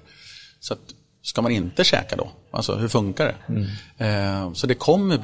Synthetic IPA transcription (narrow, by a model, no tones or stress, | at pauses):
sɔat̪ | skamanɪnt̪əɕɛ̰ːkad̪ɔ̰ʔa̰lsɔ̰hɵɾfɵŋkaɖɛ̰ | sɔd̪ɛkʰɔmːəɾb